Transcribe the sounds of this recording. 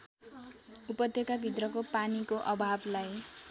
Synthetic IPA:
upʌd̪jokabʱit̪rʌkopanikoʔʌbʱablaj

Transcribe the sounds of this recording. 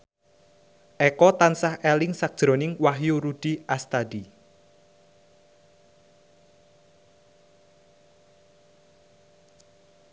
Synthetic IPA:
ʔɛkɔt̪ansahʔeɛlɪŋsak̚ʒ̥ɾo̤nɪŋwaɦjuɾud̥i̤ʔast̪ad̥i

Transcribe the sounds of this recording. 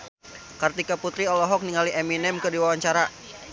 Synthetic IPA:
kart̪ikaput̪ɾiɔlɔɦɔk̚niŋaliʔɛminɛmkɨrdiwawaɲt͡ʃaɾa

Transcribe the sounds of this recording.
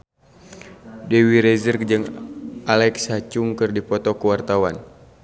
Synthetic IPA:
dɛwiɾɛzərk̚d͡ʒɨŋʔalɛksat͡ʃuŋkɨrdipɔt̪ɔkəwart̪awan

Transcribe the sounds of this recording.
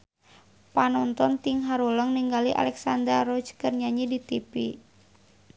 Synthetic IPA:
panɔnt̪ɔnt̪iŋɦaɾoləŋniŋɡaliʔa̰lɛksand̪ərrɔd͡ʒkərɲaɲidit̪ipi

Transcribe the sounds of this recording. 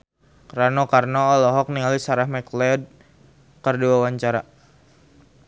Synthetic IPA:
kɾanɔkarnɔːlɔɦɔk̚niŋalisaɾahmɛklɛd̚ | kərduawaɲt͡ʃaɾa

